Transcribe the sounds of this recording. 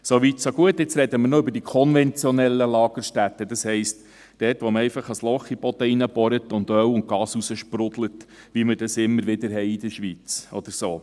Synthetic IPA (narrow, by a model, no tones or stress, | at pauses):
soʋitsoɡuətɪt͡sɾɛdəməɾnoʏbəɾdikʰɔnvɛnt͡sjɔnɛlːəlɑːɡəɾʃtætːədɑshɛɪst | d̥ɛːtʋɔməɛɪfɑχɑslɔχipɔt̪ɛinəbɔɾətʊndœwʊntɡɑːsusəʃpɾʊdlət | ʋimədɑsɪmːəɾʋɪdəɾɦɛɪid̥̪əʃʋit͡sʔɔd̪̥əɾsoː